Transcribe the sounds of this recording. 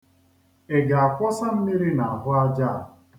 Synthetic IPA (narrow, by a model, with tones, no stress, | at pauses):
e˨ɡa˨a˨kʷɔ˦sa˦m̩˦mi˦ɾi˦na˨a˨ɦʊ˦a˦d͡ʒa˦˨